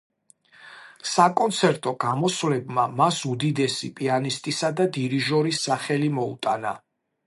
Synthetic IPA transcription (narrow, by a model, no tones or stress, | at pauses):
sakʼɔnt̪sʰɛɾt̪ʼɔɡ̥amɔsvlɛbmamasud̪id̪ɛsipʼianist̪ʼisad̪ad̪iɾiʒɔɾisaχɛlimɔṵt̪ʼana̰